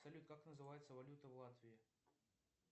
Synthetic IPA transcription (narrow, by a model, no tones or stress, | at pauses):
sɐlʲut̪̚kaknəzɨvajɪt̪səvɐlʲut̪əvlˠat̪vʲijə